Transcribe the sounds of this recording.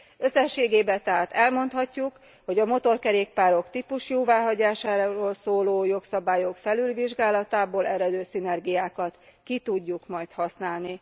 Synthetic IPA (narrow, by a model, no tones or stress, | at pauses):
ø̞sːɛʃːeːɡeːbɛt̪ɛɦaːt̪ɛlmo̞nt̪hɒcːuk | ho̞ɟɒmo̞t̪o̞rkɛɾeːk̚paːɾo̞kt̪ipuʃjoːvaːɦɒɟaːʃaːɾoːlsoːloːjo̞ksɒbaːjo̞kfɛlylviʒɡaːlɒt̪aːboːlɛɾɛd̪øːsinɛrɡijaːkɒt̪kit̪uɟːukmɒjt̪hɒsnaːlni